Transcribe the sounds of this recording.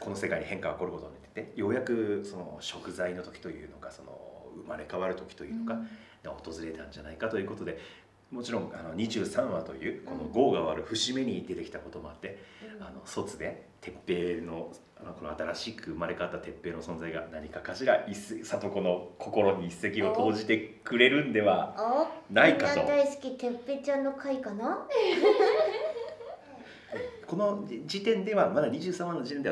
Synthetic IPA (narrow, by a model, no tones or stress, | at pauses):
kʰo̞no̞se̞kaiɲ̟ihẽŋkaoko̞ɾɯ̟ko̞t̪o̞inet̪ːet̪ejo̞ːjakɯ̟so̞no̞̰ɕo̞kɯ̟zaino̞t̪o̞kʲi̥t̪o̞jɯ̟̰ːno̞kaso̞no̞̰ɯ̟maɾe̞kaβaɾɯ̟t̪o̞kʲi̥t̪o̞jɯ̟ːno̞ɡa | d̪ot̪o̞zɨɾe̞t̪ãɲ̟d͡ʑanaikat̪o̞jiɯ̟ko̞t̪o̞d̪e̞ | mo̞t͡ɕiɾõ̞ŋano̞ɲ̟iʑɨːsãɰ̃βat̪o̞̰jɯ̟ːko̞no̞ɡo̞ːɡaβaɾɯ̟ɸɯ̟ɕime̞ɲ̟id̪e̞t̪e̞kʲi̥t̪ako̞t̪o̞mo̞at̪ːe̞ano̞so̞t͡sɨd̪e̞t̪ʰe̞pːe̞ːno̞ | mako̞no̞̰at̪aɾaɕikʰɯ̟ɯmaɾe̞kat̪ːat̪e̞pːe̞ːno̞sõ̞nd͡zaiɡa̰naɲ̟ikakaɕiɡaʔisesat̪o̞ko̞no̞kʰo̞ko̞ɾo̞ɲ̟iːsːe̞kʲio̞t̪o̞ːʑit̪e̞kɯ̟ɾe̞ɾɯ̟̃nd̪e̞βa | naikatod̪aisɨ̥kʲit̪e̞pːe̞ːt͡ɕãnːo̞kʰaikana | ko̞no̞d͡ʑit̪ẽ̞nd̪e̞βamad̪aɲʲiʑɨːsãmanːod͡ʑit̪e̞nd̪e